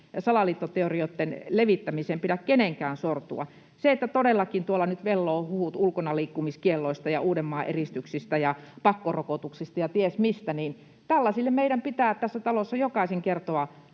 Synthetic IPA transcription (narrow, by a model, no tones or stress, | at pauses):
sɑlɑliːt̪ːot̪eoriot̪ːenleʋit̪ːæmisempiɾækkeneŋkæːnsort̪ṵɑ̰ | seet̪ːæt̪odelːɑkint̪uolːɑnyt̪ʋelːoːhuhut̪ulkonɑliːkːumiskielːoist̪ɑjɑ̰uːdemːɑːʔerist̪yksist̪æjɑpɑkːorokot̪uksist̪ɑjɑt̪iesmist̪æniːn | t̪ælːɑsilːemeiɾæmpit̪æːt̪æsːæt̪ɑlosːɑjokɑˑiseŋkert̪oɑ